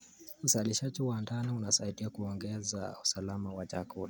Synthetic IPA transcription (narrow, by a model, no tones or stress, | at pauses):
usaliʃad͡ʒiwandaniunasaitiakuɔŋɡɛza̰usalamawat͡ʃa̰kula